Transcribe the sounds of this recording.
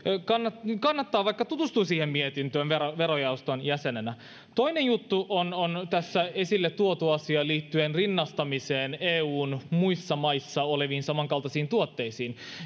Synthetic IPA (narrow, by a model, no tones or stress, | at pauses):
kɑnːɑkɑnːɑt̪ːɑːʋɑjkːɑt̪ut̪ust̪uːsiːhemmiet̪int̪øːnʋeɾoʋe̞ɾojɑust̪o̞njæsenenæ | t̪o̞inenjut̪ːuʔonont̪æsːæe̞silːet̪ːuot̪uɑsiɑliːt̪ːyenrinːɑst̪ɑmise̞ːneːuːnmuisːɑmɑjsːɑoleʋiːnsɑmɑŋkɑlt̪ɑsiːnt̪uot̪ːe̞isiːn